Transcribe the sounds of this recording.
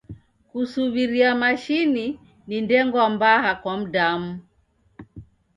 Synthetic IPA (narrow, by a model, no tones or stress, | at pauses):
kusuβiɾiamaʃini | nindɛŋɡwambaɦakwam̩damu